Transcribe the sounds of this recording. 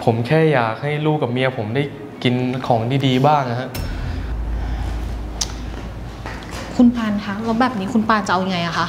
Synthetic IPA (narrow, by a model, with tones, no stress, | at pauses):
pʰo˩˦mkʰɛː˥˩jaː˨˩k̚ha˥˩jluː˥˩ka˨˩p̚mi˧ɐ˧pʰo˩˦mdaː˥˩j | ki˧nkʰɔː˩˦ŋtʰiː˧˩diː˧baː˥˩ŋa˧ɦa˦˥ʔ | kʰu˧npʰaː˧nkʰa˦˥kɔ˦˥bɛː˨˩p̚niː˦˥kʰu˧npaː˧nt͡ɕa˨˩ʔa˧wja˧ŋa˧jʔa˨˩kʰa˦˥ʔ